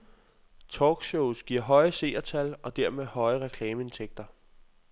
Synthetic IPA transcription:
t͡sʰɒːɡ̥ɕoʊsɡ̥iɐ̰ɦɒ̽ɪəse̝̰ːɐt͡sʰælɒ̽d̥æɐmeðˠhɒ̽ɪəʁɛkʰlɛːməe̝nt͡sʰeɡ̥̚d̥ɐ

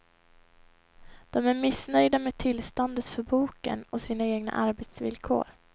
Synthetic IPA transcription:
d̪̥ɔmæɾmɪsnœjd̪ameːd̚t̪ʰɪlst̪ɔnd̪ət̪fœɾbuːkə̰nɔsiːnaeːɡna̰ʔaɾbɛt̪svɪ̰lkʰo̰ːɾ

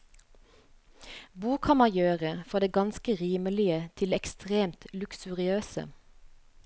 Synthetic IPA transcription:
buːkʰɑnmɑjøːʁəfɔʁd̪eːɡɑnskəʁiːməlɪət̪ʰɪlɛkst̪ʁeːmt̪lʉksʉʁɪøːsə̰

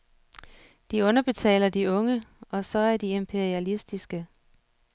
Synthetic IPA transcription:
d̥iɔ̽nɐb̥e̝t͡sʰɛ̰ːlɐd̥iɔ̽ŋəɒ̽sɒ̽æɐd̥ie̝mpʰe̝ɐiælisd̥isɡ̥ə

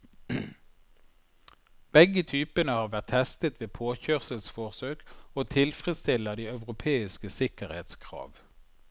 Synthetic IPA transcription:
b̥ɛɡət̪ʰyːpənəhɑːʁʋæʁt̪ʰɛst̪ət̪ʋeːpʰoːçøːʁsəlsfɔʁsøːkoːt̪ʰɪlfʁɛst̪ɪləd̪iːœʉʁʊpʰeːɪskəsɪkəʁḛːt̪skʰʁɑ̰ːʋ

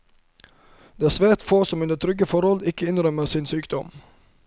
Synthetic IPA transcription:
d̪eːæːsʋæːɾt̪foːsɔmʉnd̪ət̪ʰɾʏɡəfɔɾhɔlɪkəɪnɾœməsɪnsyːkd̪ɔ̰m

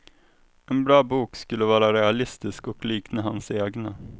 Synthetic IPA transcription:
ɛnbɾɑːbuːkskɵlːəvɑːɾaɾɛalɪst̪ɪskɔkliːknəɦa̰nseːɡna

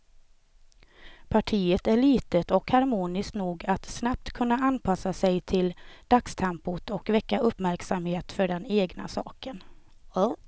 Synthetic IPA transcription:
pʰaʈʰiːət̪æɭiːt̪ət̪ɔkhaɾmuːnɪsknuːɡat̪snap̚t̪kʰɵnːaanpʰasasɛjt̪ʰɪld̪̥akst̪ʰɛmpʊt̪ɔkvɛkːaʔɵpːmæɾksamheːt̪fœɖɛneːɡna̰sɑ̰ːkən

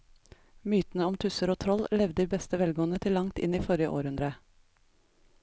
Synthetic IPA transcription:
myːt̪n̩əɔmt̪ʰʉsəɾoːt̪ʰɾɔllɛʋd̪əd̪iːbɛst̪əʋɛlɡoːən̩ət̪ʰɪlːɑŋt̪ɪ̰niːfɔɾjəʔo̰ːɾʉnd̪ɾə

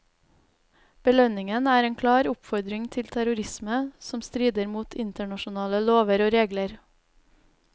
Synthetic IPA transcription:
b̥əlœnɪŋənæːɾeːŋkʰlɑːɾʊpfɔɾd̪ɾɪŋt̪ʰɪlt̪ʰæɾʊɾɪsməsɔmst̪ɾiːd̪əɾmuːt̪ʰɪnt̪əɳɑʃʊnɑːləloːʋəɾoːɾeːɡləɾ

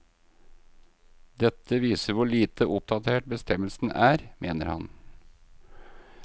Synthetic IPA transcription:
d̪ɛt̪ʰəʋiːsəɾʋʊɭiːt̪ʰəʔʊp̚d̪ɑt̪ʰeːʈ̚bəst̪ʰɛməlsn̩æːɾmeːnəɾhɑ̰n

